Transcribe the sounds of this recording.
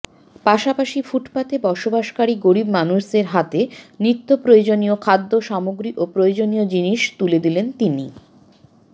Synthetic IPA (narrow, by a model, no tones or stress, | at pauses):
paʃapaʃifuʈpat̪ebɔʃobaʃkaɾiɡoɾibmanuʃdeɾɦat̪enɾit̪ːopɾojod͡ʑonijokʰad̪ːoʃamoɡɾiʔopɾojod͡ʑoniod͡ʑiniʃt̪uled̪ilent̪ini